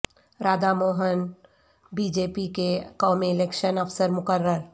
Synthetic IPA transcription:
ɾaːd̪amoːɦən | biːd͡ʒeːpikekɔːmiɪleːkʃənɐfsəɾmʊkəɾːəɾ

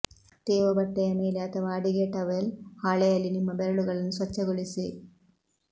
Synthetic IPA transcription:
t̪eːʋɐbɐʈːeɐmɐjilaːt̪ːɐʋaːɖiɣeːʈːɐʋelhaːɭɐjɐlinimːɐbeɾɐɭuɣɐɭinswɐt͡ɕːɐɣoɭisɨ

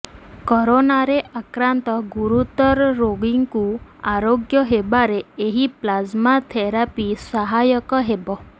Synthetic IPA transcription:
kɔɾonaɾeʔakɾant̪ɔɡuɾut̪ɔɾɾoɡiŋkuaɾoɡjɔɦebaɾeeɦiplazmat̪ʰeɾapisaɦajɔkɔɦebɔ

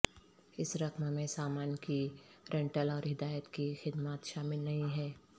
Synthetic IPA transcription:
ɪsɾɐkmmẽsaːmaːnkiɾʔɛ̃ɳʈəlɔːɾɦɪd̪aːjət̪kixɪd̪maːt̪ʃaːmɪlnɐɦĩɦɛː

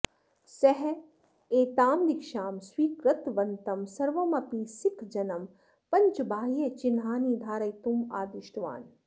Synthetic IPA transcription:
sɐɦ | eːt̪aːmd̪ɪkʃaːmswiːkɾɐt̪ʋɐnt̪ɐmsɐɾʋɐmɐpisɪkʰd͡ʒɐnɐm | pɐɲt͡ʃbʱaːɦijet͡ʃinɦaːniːd̪ʱaːɾɐjt̪umaːd̪ɪʃʈʋa̰ːn

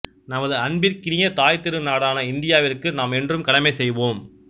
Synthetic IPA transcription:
nɐmɐðɯɐɳbɪɾkɪnɪjɐt̪aːjt̪ːɪɾɯnaːɽaːnɐɪnd̪ɪjaːʋɪrkːɯnaːmɛndrɯmkɐlɐmɐɪsɛjʋoːm

